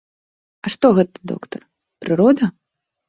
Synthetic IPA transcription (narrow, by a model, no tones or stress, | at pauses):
ɐʂt̪ɔɣɛt̪ɐ̥d̪ɔ̰kt̪ɐr | pɾɨɾɔd̪ɐ